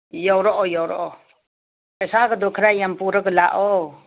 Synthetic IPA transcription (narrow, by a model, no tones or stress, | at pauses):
jɔwɾɔʔɔjɔwɾɔ̰ʔɔ | əsaɡɯd̪ɔkʰɾajampuɾəɡɯlaʔɔ